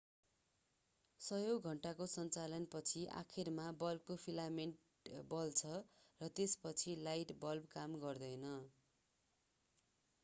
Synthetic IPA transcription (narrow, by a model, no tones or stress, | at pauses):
sʌjoɡʱʌɳʈakosʌnt͡salʌnpʌt͡sʰiʔa̰kʰirmabʌlkopʰilameɳʈ | bʌlt͡sʰʌrʌt̪espʌt͡sʰilajʈbʌlbkamɡʌrd̪ʌjnʌ